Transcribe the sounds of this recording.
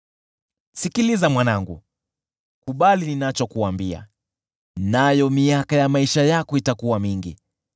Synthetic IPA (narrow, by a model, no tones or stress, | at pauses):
sikilizamwanaŋɡṵ | kuɓalininat͡ʃɔkuambia̰ | najɔmiakajamaiʃajakɔitakuwamiŋɡi